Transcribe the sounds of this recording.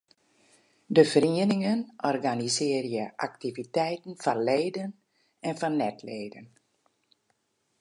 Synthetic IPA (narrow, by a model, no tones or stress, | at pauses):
dəfəriənɪŋənɔrɡanizɪərjəʔak̚tivitɛjtn̩fɔnleːdən | ɛnfɔnːɛtleːdən